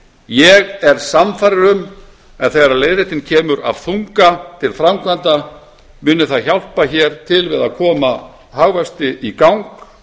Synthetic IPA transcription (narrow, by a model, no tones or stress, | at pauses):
jɛɣɛɾ̥samfajɾɪɾʏm | ɛnθejɣɾalejðɾeht̪ɪncʰɛːmʏɾa̰vθuŋkat̪ʰɪlfɾamkʰvant̪a | mʏːnʏθaðçawl̥paçɛːɾ̥t̪ʰɪlvɪðaðkʰɔːma | haɣvɛst̪ɪʔikawŋk